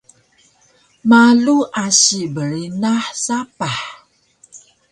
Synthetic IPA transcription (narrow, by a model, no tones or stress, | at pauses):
maluʔaɕibəɾinaħsapaħ